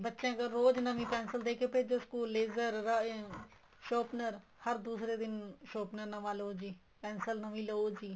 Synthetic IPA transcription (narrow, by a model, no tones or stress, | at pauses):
bətːʃẽːɡəɾːoːd͡ʒnəmĩːpɛ̃ːnsəld̪eːkʰeːped͡ʒoːskuːlːeːzəɾː | ʃoːpnəɾ | həɾd̪uːsɾeːd̪ɪnʃoːpnəɾnəʋãːloːd͡ʒiː | pɛːnsəlnəʋĩːləoːd͡ʒiː